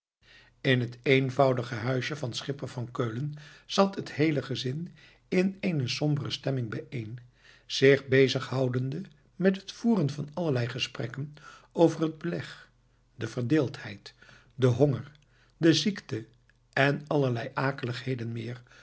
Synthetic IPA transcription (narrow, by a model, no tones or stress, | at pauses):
ɪnɦətejnvɑwdəχəɦœɥʃəvɑnsχɪpənvɑnkøɥlənz̥ɑtɦətɦejləχəzɪn | ɪnenəsɔmbərəstɛmɪŋbɛjejn | z̥ɪχbejzəχɦɑwdəndə | mɛtɦətfuːrənvɑnɑləɹlɛjχəsprɛkənowvərɦəd̚bəlɛχ | dəvəɹdɪːlˠthɛjt | dəɦɔŋəɹ | dəziktə | ɛnɑləɹlɛjʔaːkələχɦejdənmɪːɹ